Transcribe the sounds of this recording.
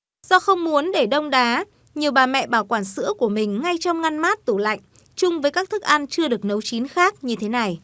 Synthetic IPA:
z̥ɔ˧xə˧wŋ͡mmu˨˦ənɗe˧˩ɗə˧wŋ͡mɗaː˨˦ | ɲi˨˩əwɓaː˨˩mɛ̰˧˨ɓaː˧˩wkwaː˧˩nsɨ̰˧˥əku˧˩əmï˨˩ŋ̟ŋa˧jt͡ɕɔ˧wŋ͡mŋa˧nmaː˦˥t̚t̪u˧˩la̰˧˨jŋ̟ | t͡ɕʊ˧ŋ͡mvəː˨˦jkaː˦˥k̚t̪ʰɨ˦˥k̚ʔa˧nt͡ɕɨ˧əɗɨ˨˩ək̚nə˨˦wt͡ɕi˨˦nxaː˦˥k̚ɲɨ˧t̪ʰe˨˦na˨˩j

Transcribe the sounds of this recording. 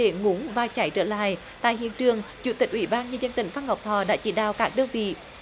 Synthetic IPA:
e˧˩ŋu˨˦ŋvaː˨˩t͡ɕa˧˩jt͡ɕəː˧˩la̰ː˧˨j | t̪a̰ː˧˨jɦḭ˧˨ənt͡ɕɨ˨˩əŋt͡ɕṵ˧˥t̪ï˨˩k̟̚ʔwi˧˩˦ɓaː˧nɲə˧zə˧nt̪ï˧˨˩ŋ̟fa˧nha˨˩wk͡p̚t̪ʰɔ˧˩ɗa̰ː˧˥t͡ɕḭ˧˩ɗa̰ː˧˨wkaː˦˥k̚ɗəː˧nvḭ˧˨

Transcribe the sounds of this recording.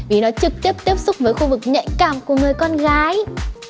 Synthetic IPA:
vi˨˩nɔ˨˦t͡ɕɨ˨˩k̚t̪i˦˥əp̚t̪i˦˥əp̚sʊ˦˥k͡p̚vəː˨˦jxu˧vɨ˨˩k̚ɲə̰˧˨jŋkaː˧˩mku˧˩əŋɨ˨˩əjkɔ˧nɣaː˨˦j

